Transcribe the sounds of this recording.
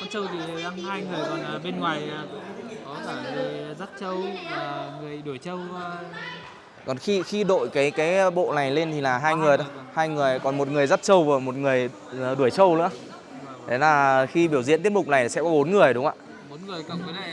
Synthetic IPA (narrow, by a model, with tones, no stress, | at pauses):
kɔ˨˦nsə˧wt̪ʰi˨˩ɗaː˧ŋhaː˧jŋɨ˨˩əjɓe˧nŋwaː˨˩jkɔ˨˦kaː˧˩ve˨˩za˦˥t̚t͡ɕə˧wa˨˩ŋɨ˨˩əjɗu˧˩əjt͡ɕə˧w | kɔ˨˩nxi˧xi˧ɗo̰˧˨jkaː˨˦jkaː˨˦jɓo̰˧˨na˨˩jle˧nt̪ʰi˨˩laː˨˩ɦaː˧jŋɨ˨˩əjɗɔ˨˦haː˧jŋɨ˨˩əjkɔ˨˩nmo˨˩t̚ŋɨ˨˩əjza˦˥t̚t͡ɕə˧wvəː˨˩mo˨˩t̚ŋɨ˨˩əj | ɗu˧˩əjt͡ɕə˧wlɨ̰˧˥ə | t̪ʰe˨˦laː˨˩xi˧ɓi˧˩əwzḭ˧˥nt̪i˦˥t̚mʊ˨˩k͡p̚na˨˩jt̪i˨˩sɛ̰˧˥kɔ˨˦ɓo˨˦nŋɨ˨˩əjɗʊ˨˦ŋ͡ma̰ː˧˨ | o˨˦nŋɨ˨˩əjkə˧˩˨